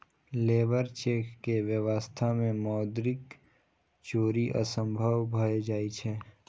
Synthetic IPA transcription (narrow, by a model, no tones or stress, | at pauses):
leːbəɾt͡ʃeːkːeʋjəʋəst̪ʰamẽmɔːd̪ɾɪk | t͡ʃoːɾiʔə̰sə̃mbʱəʋbʱɐed͡ʒaːit͡ʃʰe